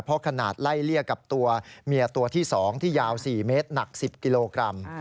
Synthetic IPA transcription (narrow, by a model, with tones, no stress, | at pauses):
pʰɔ˦˥kʰa˧naː˨˩t̪̚la˥˩jli˥˩əkːa˨˩p̚t̪u˧ɐmi˧ət̪u˧ɐt̪ʰiː˥˩sɔː˩˦ŋt̪ʰiː˥˩jaː˧wsiː˨˩meː˦˥t̪̚na˨˩k̚si˨˩p̚ki˧loː˧kɾa˧m